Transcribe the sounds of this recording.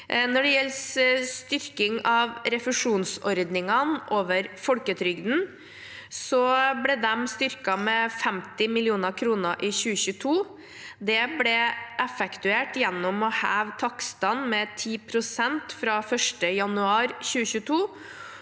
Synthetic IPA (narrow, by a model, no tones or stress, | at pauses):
nɔɖɛjɛlːsst̪ʏɾkɪŋɑʋɾɛfʉʂuːnsɔɾd̪nɪŋɑnʔoːʋəɾfɔlkət̪ʰɾʏɡd̪n̩ | sɔblɛd̪ɛmst̪ʏɾkɑmɛfɛmt̪ɪmɪlɪuːnəɾkʰɾuːnəɾʔɪçʉːəçʉːt̪ʰuː | d̪ɛblɛʔɛfɛkt̪ʉeːʈjɛnːɔmɔhæːʋt̪ʰɑkst̪ɑnmɛt̪ʰiːpʰɾʊsɛnt̪fɾɑfœʂʈəjɑnʉɑːɾçʉːəçʉːt̪ʰuː